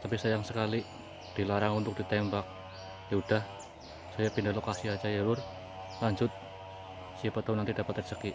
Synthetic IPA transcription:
t̪apisajaŋsəkali | d̥ilaɾaŋunt̪ʊk̚d̥it̪ɛmbak̚ | daud̥ah | sajapindahlokasiad͡ʒajəlʊr | laɲd͡ʒʊt̪̚ | siapat̪aunant̪idapat̪ːərd͡ʒəki

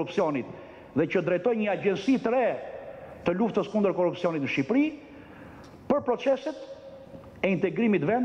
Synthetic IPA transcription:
upsiɔnit̪ | ðɛcəd̪ɾɛt̪ɔjɲəaɟɛnsit̪ɾɛ | t̪əluft̪əskund̪əɾkɔrupsiɔnit̪nəʃipɾi | pəɾpɾɔt͡sɛsɛt̪ | ɛint̪ɛɡɾimit̪vɛnd̪

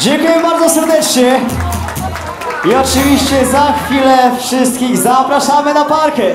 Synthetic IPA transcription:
d͡ʑeŋkujɛbaɾd̪zɔsɛɾd̪ɛt͡ʂɲɛ | iɔt͡ʂɨvʲiɕt͡ɕɛzaxfʲilɛfʂɘst̪̚kʲiɣzapɾaʂamɘnapaɾkɛ

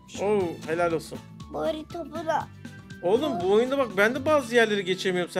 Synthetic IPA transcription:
ohelʲælʲo̞lˠsun | boɾit̪ʰobula | olˠumbuo̞jund̪abak̚bænd̪ɛbaːzɯjæɾlʲe̞ɾiɟe̞t͡ʃʰe̞mijoɾums

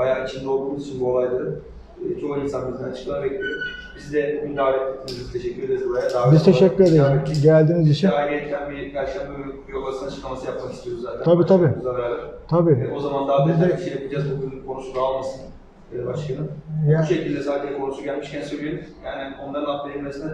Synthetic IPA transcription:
bajaːit͡ʃʰind̪ɛolˠumilˠit͡ʃʰinbuo̞lˠajd̪aɯ | t͡ʃʰoinsanbiznɛat͡ʃʰɯ̥klˠaɾbeclʲijobizd̪ɛbuɡʲynd̪aːɾʲɛt̪et̪ʰːinizt̪ʰeʃɛcʰʲːyɾed̪ʲeɾubuɾajaaːbizt̪ʰe̞ʃɛcːyɾed̪ejɟælʲd̪iːnizit͡ʃʰinajɡeɛc̪ʰːænbijalʲʃlʲænmajokasɯnat͡ʃʰɯklˠamasɯjap̚makist̪ʰijoɾuzzaːt̪ʰænʰabiːt̪ʰabiːuzalaɛɾt̪ʰabiːɛo̞zamand̪aːbizd̪ɛiʃejapʰid͡ʒazbuɡʲynkʰo̞nuʃulualˠmasɯnː | baʃlʰanɯmjauʃecilʲd̪ɛsaːd̪id̪ɛkʰonuʃuɟælʲmiʃcʰænsøjlʲiɾzjaːnio̞nd̪ˠaɾɯnap̪lˠeilʲmesinɛ

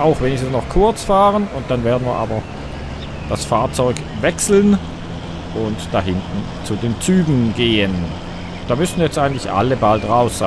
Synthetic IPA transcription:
ʔaʊxveːnɪkstn̩snɔχkʰʊɐt͡sfaːʁənʊnt̚d̥anveːɐdn̩viːɐʔa̰ːbɐ | d̥asfaːɐt͡sɔʏk | vɛksl̩n | ʔʊntd̥aɦɪntn̩ | t͡sudeːnt͡syːɡŋ̩ɡeːən | d̥aːmʏsn̩jɛt͡stʔaɪɡŋ̩tlɪçʔa̰ləbaltʁaʊsz̥aɪ

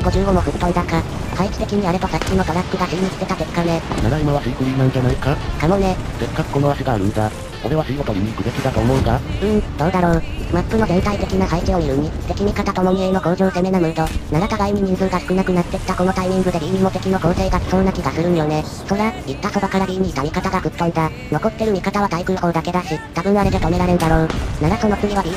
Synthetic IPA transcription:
iɡo̞ʑɨːɡomoɸɯ̟pːõnd̪aka | haikʲi̥t̪e̞kʲiɲ̟iaɾe̞t̪osakʲːĩnot̪oɾaskɯ̟ɡaɕiːɲist̪e̞t̪at̪e̞kːane̞naɡaimaβasɯikɯɲʲinãn̟danaikakamone̞se̞kːakɯ̟ko̞noaɕiɡaːɾɯ̟nɡ̪a | oɾe̞βasɯiko̞t̪oɲʲimʲikɯ̟d̪ekʲid̪at̪o̞ːmo̞ɯ̟kaɯ̟̃ɴd̪o̞ːd̪aɾo̞ːmapːɯ̟no̞ɡent̪ait̪e̞kʲinaɦaikio̞mʲiɾɯ̟ɲ̟it̪e̞kʲiɲ̟ikat̪at̪o̞mo̞mʲieino̞ko̞ːʑoːse̞me̞namɯ̟ɯ̟t̪o̞naɾakaɡaiɲ̟iɲĩzɨɯɡ̪asɯ̥kɯ̟nakɯ̟nat̪ːe̞i̥t̪ːako̞no̞t̪aimʲĩŋɡɯ̟d̪e̞ɾʲiːɲ̟imo̞t̪e̞kʲino̞ko̞ːse̞ːɡaki̥sõ̞nːakʲiɡasɨɾɯ̟jo̞ne̞ | so̞ɾait̪ːaso̞bakaɾaɾʲiːɲʲit̪amʲikat̪aɡakɯ̟t̪ːõ̞nd̪a | no̞ko̞t̪ːe̞ɾɯ̟mʲikat̪aβ̞at̪aikɯ̟ko̞ːd̪ake̞d̪aɕit̪abɯ̟naɾet̪et̪o̞me̞ɾaɾe̞ɾɯ̟d̪aɾo̞ːnaɾaso̞no̞kɯ̟ɲ̟iβ̞aɾʲi

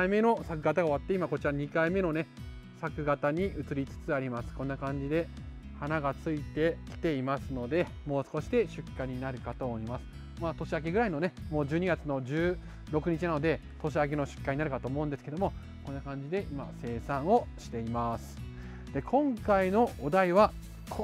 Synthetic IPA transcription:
ime̞no̞sak̬ɯ̟ɡat̪aɡao̞βat̪ːe̞imako̞t͡ɕiɾaɲ̟ikaime̞no̞ne̞ | sakɯ̟ɡat̪aɲ̟iɯ̟t͡sɨɾʲit͡sɨ̥t͡sɨaɾʲimasɨ̥kõ̞nːakãɲ̟d͡ʑid̪e̞ | hanaɡat͡sɨit̪e̞kʲi̥t̪e̞imasɨno̞d̪e̞ | mo̞ːsɨ̥ko̞ɕi̥d̪e̞ɕɨkːaɲ̟inaɾɯ̟kat̪o̞ːmoimasɨ̥ | maːt̪o̞ɕiak̬eɡɯ̟ɾaino̞ne̞mo̞ːʑɨːɲ̟iɡat͡sɨno̞d͡ʑɨː | ɾo̞kɯ̟ɲ̟it͡ɕinanod̪e̞ | t̪o̞ɕ̬iak̬eno̞ɕɨ̥kːaɲ̟inaɾɯ̟kat̪o̞ːmo̞ɯ̃nd̪esɨ̥ke̞d̪omo̞ | ko̞nːakãɲ̟d͡ʑid̪e̞ʔima̰se̞ːsãɰ̃o̞ɕi̥t̪e̞imasɨ̥ | d̪̥e̞kʰõ̞ŋkaino̞ːd̪aiβa | kʰ

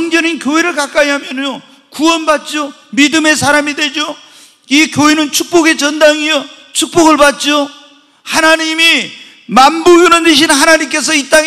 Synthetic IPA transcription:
ʌŋd͡ʑʌninkjoɦeɾɯɭkak͈aiɦamjʌno | kuʌnbat̚t͡ɕ͈omidɯme̞sʰaɾamidwe̞d͡ʑo | ikjoɦenɯnt͡ɕʰuk̚p͈oɡe̞t͡ɕʌndaŋiʌ | t͡ɕʰuk̚p͈oɡɯɭbat̚t͡ɕ͈o | hanaɲimi | mambuɡjunɯnɯɕ̬ʰinɦanaɲimk͈e̞s̬ʰʌit͈aŋ

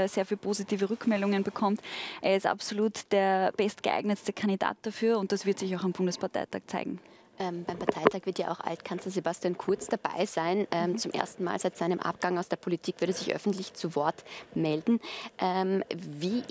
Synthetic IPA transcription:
z̥eːɐfiːlpʰoːzitʰiːvəʁʏkmɛldʊŋənbəkʰɔmtʔeːɐɪstʔa̰psoluːtd̥eːɐb̥ɛstɡ̥əʔa̰ɪɡnətstəkʰandida̰ːt̚d̥afyːɐʊnt̚d̥asv̥ɪɐtz̥ɪçaʊxambʊndəspaɐtʰa̰ɪtʰaːk̚t͡sa̰ɪɡŋ̩ | ʔɛmb̥aɪmpʰaɐtʰaɪtʰaːkv̥ɪɐtja̰ʔa̰ʊxʔa̰ltkʰanslɐzebastijaːnkʰʊɐt͡sd̥aba̰ɪz̥aɪnʔɛːmt͡sʊmʔḛɐstn̩ma̰ːlz̥aɪtz̥aɪnəmʔa̰p̚ɡ̥aŋaʊsd̥eːɐpʰolitʰiːkv̥ʏɐɾəzɪçʔœ̰fn̩tlɪçt͡suvɔɐtmɛldn̩ʔɛmviː

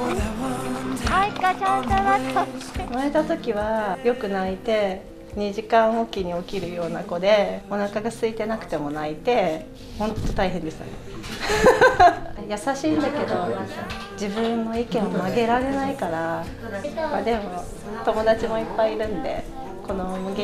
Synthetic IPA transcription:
naɦoakaa | maet̪at̪o̞kʲiβajo̞kɯ̟nait̪e̞ | ɲ̟iʑikãɰ̃o̞kʲiɲ̟io̞kʲiɾɯ̟jo̞ːna̰ko̞d̪e̞o̞nakaɡasɨit̪e̞nakɯ̟̥t̪e̞mo̞nait̪e̞ | hõ̞nt̪ːo̞t̪aiɦẽ̞nd̪esɨ̥t̪a̰ne | jasaɕiːnd̪ake̞d̪o̞ | d͡ʑibɯ̟̃nnːo̞ikẽ̞ɰ̃omaɡe̞ɾaɾe̞naikaɾa | mad̪e̞mo̞ | t̪o̞mo̞d̪at͡ɕimo̞ipːaiɾɯ̟̃nd̪e̞̰ | ko̞no̞mɯɡ

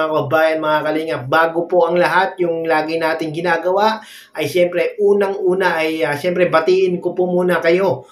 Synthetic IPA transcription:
akɐbaːjɐnmɐŋakɐliːŋɐt̚baːɡopoʔɐŋlɐɦat̪̚jʊŋlaːɡɪnaːt̪ɪŋɡɪnaːɡɐwaʔ | ʔɐjʃɛmpɾɛʔuːnɐŋʔuːnɐʔɐjɐʃɛmpɾɛbɐt̪iʔɪnkopomuːnɐkɐjo̞

